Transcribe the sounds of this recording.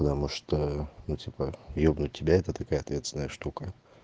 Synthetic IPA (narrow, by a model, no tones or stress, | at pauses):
pət̪ɐmuʂt̪onutʲipəjobnuɪbʲaɛt̪ət̪ɐkajəɐt̪vʲest̪ʲɪnəjəʂt̪ukə